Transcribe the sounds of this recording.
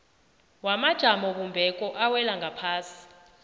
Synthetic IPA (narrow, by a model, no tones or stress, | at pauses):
wamad̥ʒ̥ʱamɔɓumbʱɛkʼɔʔawɛlaŋɡʱapʰaːsi̥